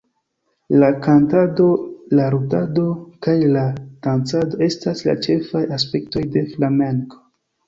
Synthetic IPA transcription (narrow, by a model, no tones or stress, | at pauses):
lakantado̞laɾudado̞kajlad̥ant͡sado̞e̞stasla̰t͡ʃe̞fajaspe̞kto̞jde̞flame̞ŋko̥